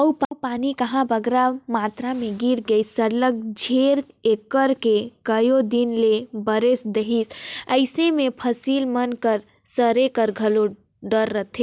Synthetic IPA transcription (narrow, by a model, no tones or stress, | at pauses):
əupəpanikəɦãbəɡɾamat̪ɾameɡiɾɡəɪssəɾlək̚d͡ʒʱeɾ | ekːəɾkekəjod̪inlebəɾesd̪eɦisəɪsemepʰəsilmənkəɾ | səɾekəɾɡʱəlo | ɖəɾːət̪ʰe